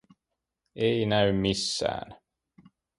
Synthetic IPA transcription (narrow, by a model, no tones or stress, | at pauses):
ejnæʉmisːæ̰ːn